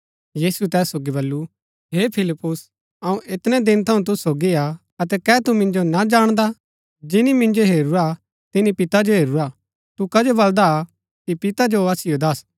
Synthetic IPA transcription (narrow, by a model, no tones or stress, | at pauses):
jiːsuɛt̪ɛːsːoːɡiβɐlːu | ɦeːpʰɪlɪpːʊs | ɐũʔɪt̪nɛd̪ɪ̃nt̪ʰɐũt̪̬ʊssoːɡia | ɐt̪̬ɛkɛːt̪umɪ̃nd͡ʒonad͡ʒaːɽ̃d̪a | d͡ʒɪnimɪ̃nd͡ʒoɦeːɾuɾa | t̪ɪnipɪt̪ad͡ʒoɦeːɾuɾa | t̪ukɐd͡ʒobɐld̪a | kipɪt̪ad͡ʒoɐsɪjod̪ɐs